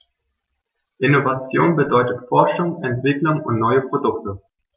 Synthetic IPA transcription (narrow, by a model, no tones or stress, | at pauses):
ʔɪnovat͡sjoːnbədɔʏtətfɔɐʃʊŋsɛntv̥ɪklʊŋʊ̰ntnɔʏəpʁ̥odʊktə